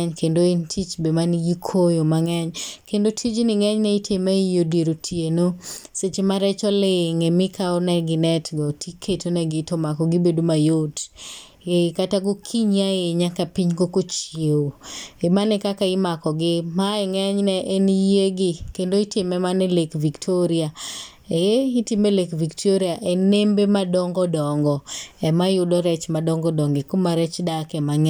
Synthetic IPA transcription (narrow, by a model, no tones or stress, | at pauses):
ɛɲkʰendoentʰit͡ʃbemanjikʰojomaŋɛɲkendotʰit͡ʃnɪŋɛɲnɛitemɛijodeɾotʰienoset͡ʃemaɾɛt͡ʃɔleŋemɪkʰaɔnɛɡɪnɛtɡɔtikʰetonɛɡɪtomakɔɡɪbedomajot | ekataɡokʰiɲiaeɲakapiɲkokot͡ʃeoemanɛkakaɪmakɔɡɪmaɛŋɛɲnɛʔenjeɡɪkendoitɪmɛmanɛlekviktʰoɾia | eitɪmɛlekviktʰoɾiaʔɛnembemadɔŋɡɔdɔŋɡɔɛmajudɔɾɛt͡ʃmadɔŋɡɔdɔŋɡɪkomaɾɛt͡ʃdakɛmaŋɛ